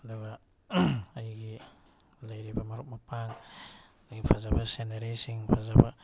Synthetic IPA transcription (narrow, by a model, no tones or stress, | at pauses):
daɡa | ajɡi | lajɾibamaɾup̚mapʰaŋ | ɡipʰazabaseneɾesiŋpʰazaba